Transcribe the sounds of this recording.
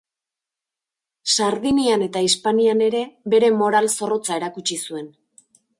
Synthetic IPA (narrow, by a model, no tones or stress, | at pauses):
saɾðiniane̞t̪aispaniane̞ɾe̞βe̞ɾe̞mo̞ɾalso̞ro̞t͡sae̞ɾakut͡ʃisue̞n